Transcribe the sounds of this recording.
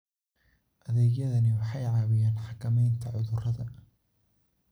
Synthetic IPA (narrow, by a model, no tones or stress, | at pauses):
ʔɐðɛːɣjɐðɐnɪwɑħɑjʕɑːwɪjaːnħɑkʰɐmɛjnt̪ʰɐʕʊðʊrɐðɐ